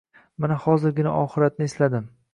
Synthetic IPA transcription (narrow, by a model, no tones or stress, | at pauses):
manahɒzɪɾɡʲɪna̰ʔɒχɨɾat̪̚nɪeslad̪ɪm